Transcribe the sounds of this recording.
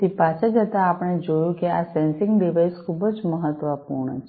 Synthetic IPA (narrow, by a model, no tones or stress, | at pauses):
t̪ipat͡ʃʰəd͡ʒət̪aːpəɽ̃ed͡ʒojũkeasɛnsɪ̃ŋɡɖiʋaiskʰubəd͡ʒməɦət̪ʋəpṵɾɳə̰t͡ʃʰ